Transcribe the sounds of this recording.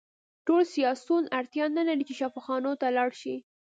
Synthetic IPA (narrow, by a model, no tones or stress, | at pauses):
ʈolsijɑsunaɾt̪jɑnalaɾit͡ʃeʃafɑxɑnot̪alɑɽʃi